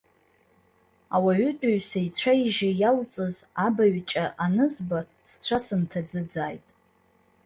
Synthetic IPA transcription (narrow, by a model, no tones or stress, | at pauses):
awaɥʏtʼaɥsajt͡sʷʰaiʒɪjalt͡sʼɨzabaɥt͡ʃʼaʔanɨzba | st͡sʷʰasɨmtʰad͡zɨd͡zaːjtʼ